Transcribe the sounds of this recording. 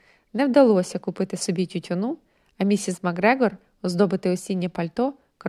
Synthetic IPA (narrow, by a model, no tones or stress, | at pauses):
nɛwd̪ɐlˠɔsʲɐkʊpɪt̪ɪsɔbʲitʲutʲɔnu | ɐmʲisʲizmɐɡɾɛɡɔr | ɔzd̪ɔbɪt̪ɪɔsʲinʲːɐpɐlʲt̪ɔ | k